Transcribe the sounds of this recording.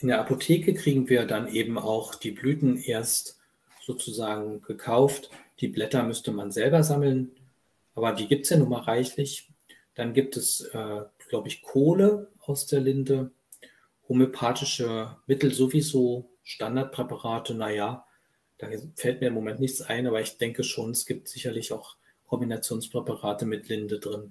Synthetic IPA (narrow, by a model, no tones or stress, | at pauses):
ʔɪndeɐʔapotʰeːkəkʁ̥iːɡŋ̩viːɐdanʔeːbm̩a̰ʊxd̥iːblyːtn̩ʔeːɐst | z̥oːt͡suzaːɡŋ̩ɡ̥əkʰaʊftd̥iːblɛtɐmʏstəmanzɛlbɐzaml̩n | ʔaːbɐdiːɡiːp̚tsjaːnɔχmaːlʁaɪçlɪç | d̥anɡiːp̚tʰɛsʔɛːɡ̥laʊbəɪçkʰoːləʔaʊsd̥eːɐlɪndə | homeopʰaːtɪʃəmɪtl̩zovizoː | ʃtandaɐt̚pʁ̥ɛpaʁaːtʰənajaː | d̥aːfɛlt̚miːɐɪmomɛntnɪçt͡sʔa̰ɪnʔaːbɐɪçd̥ɛŋkəʃoːnɛsɡ̥iːp̚tz̥ɪçɐlɪçaʊx | kʰɔmbinat͡sjoːnspʁ̥ɛpaʁaːtəmɪtlɪndədʁɪn